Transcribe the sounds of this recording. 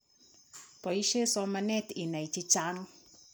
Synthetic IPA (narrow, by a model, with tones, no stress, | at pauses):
pɔ˨i˦ʃe˦sɔ˦ma˧nɛ˦tɪ˨na˨i˨t͡ʃi˦t͡ʃa˦nɔ˦